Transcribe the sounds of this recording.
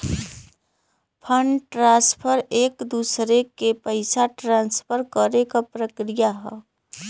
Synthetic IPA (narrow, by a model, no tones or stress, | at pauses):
pʰəɳɖʈɾãːspʰəɾeːkd̪uːsɾekepəɪsaʈɾãːnspʰəɾkəɾekapɾəkɾijaɦɛ